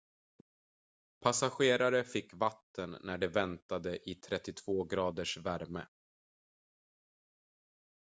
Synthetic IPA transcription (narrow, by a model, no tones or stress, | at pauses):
pʰasaɧeːɾaɾəfɪkːvat̪ːənːæɖɛvɛnt̪ad̪əʔɪt̪ʰɾɛt̪ːɪt̪ʰv̥oːɡɾɑːd̪əʂvæɾmə̰